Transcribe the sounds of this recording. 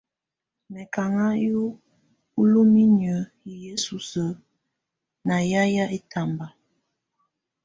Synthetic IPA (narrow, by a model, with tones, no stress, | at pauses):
mɛ˨ka˨ŋa˦ju˦ | u˦lu˦mi˦njə˨˦ji˨je˦su˨sə˨ | na˨ja˦ja˦ʔe˦tʰa˨mba˨